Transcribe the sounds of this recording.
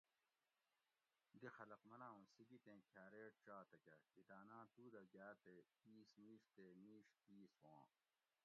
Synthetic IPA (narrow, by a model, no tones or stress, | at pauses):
d̪ixɐlɐqmɐnãːũːsiɡit̪ẽːkʰaːɾeːʈt͡ɕaːt̪ɐkɐid̪aːnãːt̪uːd̪ɐɡaːt̪e | iːsmiːʂt̪eːmiːʂt̪iːswãː